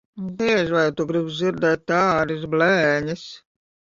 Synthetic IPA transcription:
biɛʒʋajt̪uɡɾibd̪zʲiɾd̪ɛːt̪̚ːaːɾis̬blɛːɲis

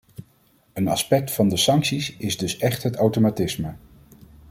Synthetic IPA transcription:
ənɑ̰spɛk̚tfɑndəsɑŋksisɪzdɵsɛχtɦətawtomatɪsmə

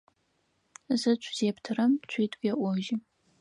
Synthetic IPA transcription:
zɨt͡ʃʷʰz̥eːptʰɨrɐmt͡ʃʷʰiːtʰʼɡʲɐʔʷɔʒɪ

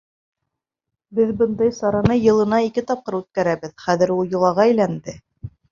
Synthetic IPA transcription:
bɘðbɤnd̪ɑjsɑɾɑnɤjɤ̆lˠɤ̆nɑikɘt̪ɑp̚qɤɾʉt̪̚kæɾæβɘðχæðɘ̆ɾulˠjɤ̆lˠɑʁɑæjlænd̪ɘ

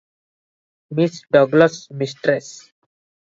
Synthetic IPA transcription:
misɖʌɡləsmisʈɾes

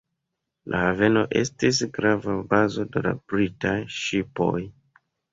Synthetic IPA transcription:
lʔa̰have̞no̞ʔe̞̰stis̬ɡɾavabazo̞dela̰b̥ɾitajʃipo̞̰j

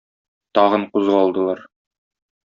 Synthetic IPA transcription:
t̪ɒʁɤɴquzʁɑɒlˠd̪ɤ̆lˠɑɾ

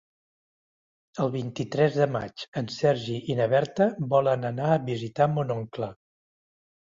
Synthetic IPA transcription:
əlˠβint̪it̪ɾɛzðəma̰t͡ʃənsɛɾʒiinəβɛɾt̪əβɔlənənaəβizit̪amunoŋklə

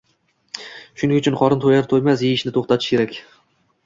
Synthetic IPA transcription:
ʃʊnɪŋʊt͡ʃʰʊnqɒɾɪnt̪ʰojaɾt̪ʰojmasjeɪʃnɪt̪ʰoχt̪at̪ʰɪ̥ʃkʲʰe̞ɾakʲ

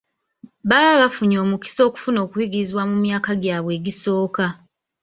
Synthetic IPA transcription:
βaaβafuɲo̞ːmuki̥so̞ːku̥funo̞ːkujiɡiɾiziβwamumjaːkaɡjaːβwe̞ːɟiso̞ːka

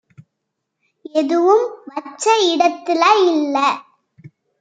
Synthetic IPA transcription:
ɛðɯʋɯmʋɐt͡ʃːɐɪɽɐt̪ːɪlaːɪlːɐ

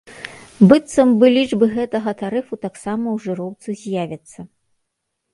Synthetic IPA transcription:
bɨt̪sɐmbɨlʲid͡ʐbɨɣɛt̪ɐɣɐt̪aɾɨfut̪aksamɐwʐɨɾɔwt̪sɨzʲjavʲɐt̪sːɐ

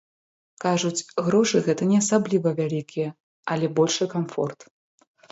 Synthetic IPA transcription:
kaʐut͡sʲɣɾɔʂɨɣɛt̪ɐnʲɛɐsablʲivɐvʲalʲikʲijɛ | ɐlʲɛbɔlʲʂɨkamfɔ̰rt̪

